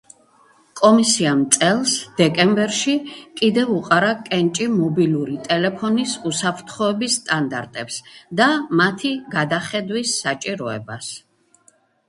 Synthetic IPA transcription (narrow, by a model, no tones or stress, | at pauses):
kʼɔmisiamt̪sʼɛlˠsd̪̥ɛkʼɛmbɛɾʃikʼid̪ɛvuqʼaɾakʼɛnt͡ʃʼimɔbiluɾit̪ʼɛlɛpʰɔnisusapʰɾt̪ʰχɔɛbisːt̪ʼand̪a̰ɾt̪ʼɛpsd̪amat̪ʰiɡad̪aχɛd̪wisːat͡ʃʼiɾɔɛ̰bas